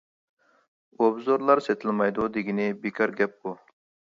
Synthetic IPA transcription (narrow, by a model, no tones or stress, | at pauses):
obzoɾlˠɑɾset̪ʰɪlmɑjd̪ud̪ɪɡʲinɪbekʰɑɾɡʲɛp̚bu